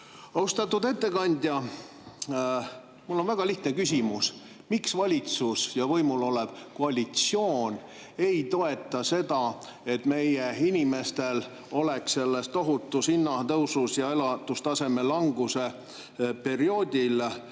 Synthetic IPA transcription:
ɑwst̪ɑt̪ːˑud̪e̞t̪ːe̞kɑnʲd̪̥ʲjɑ | mulːo̞nvæɡ̥ɑliht̪nekys̬ʲimus | miksvɑlʲit̪susjɑvɤjmulo̞leb̥koɑlʲit̪sio̞ːn | e̞jt̪o̞e̞t̪ːˑɑse̞d̪ɑ | e̞t̪me̞jeinime̞st̪e̞l | o̞le̞kse̞lːest̪o̞ɦut̪ˑːusinːɑt̪ɤwsusjɑe̞lɑt̪ːust̪ɑse̞me̞lɑŋɡ̥use̞ | pe̞ɾio̞ːd̪ʲil

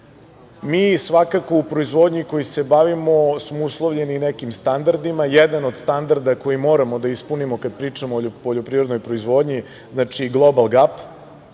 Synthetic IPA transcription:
miːsʋakakoupɾo̞izʋo̞ːd̪ɲiko̞jise̞baʋimosmouslˠoʋʎe̞ninekimst̪and̪aɾd̪imajɛd̪ano̞d̪st̪and̪aɾd̪ako̞jimo̞ːɾamo̞d̪aispunimo̞kad̪̚pɾiːt͡ʂamooːpoʎopɾivɾed̪no̞jpɾo̞izʋo̞ːd̪ɲi | znaːt͡ʃiɡlˠo̞balˠɡap

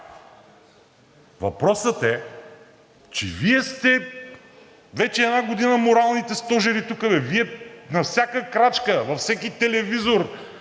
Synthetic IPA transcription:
vɐ̰pɾɔsət̪ɛ | t͡ʃɛ̰viɛst̪ɛ | vɛt͡ʃɛːd̪naɡod̪inəmoɾalˠnit̪ɛst̪ɔʒɛɾit̪ukəvɛviɛnɐfsʲjakəkɾat͡ʃkəvɐfsɛkit̪ɛlɛvizoɾ

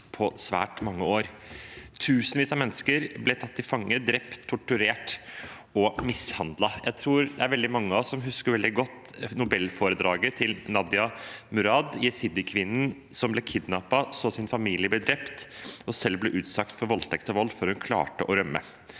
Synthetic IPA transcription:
pʰɔsʋæ̰ːʈmɑŋːəoːɾt̪ʰʉːsənʋiːsɑmɛnːəskəɾblɛt̪ʰɑt̪ːɪfɑŋːəd̪ɾɛpt̪ʰːʊʈʉɾeːʈ | ɔmɪshɑnd̪lɑjæɪt̪ʰɾuːɾd̪ɛæɾʋɛld̪ɪmɑŋːəɑsɔmɦʉskəɾʋɛld̪ɪɡɔt̪ːnʊbɛlːfoːɾəd̪ɾɑːɡət̪ʰɪlnɑd̪jɑmʉɾɑd̪jɛsɪd̪ɪkʰʋɪnːən̩ | sɔmblɛkʰɪd̪nɑpɑsɔsɪnfɑmiːlɪəblɛd̪ɾɛpt̪ɔsɛlːblɛʔʉːt̪sɑk̚t̪fɔɾʋɔlt̪ʰɛkt̪ɔʋɔlːfɔɾhʉnkʰlɑ̰ːʈəʔɔɾœmːə̰

